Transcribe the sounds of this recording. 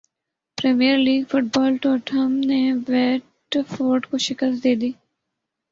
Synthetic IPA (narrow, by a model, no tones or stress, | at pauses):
pɾɛːmiːəɾliːɡfʊʈ̚bɔːlʈɔːʈʰəmneʋɛːʈ | foːɾɖkoʃɪkəst̪̚d̪eːd̪iː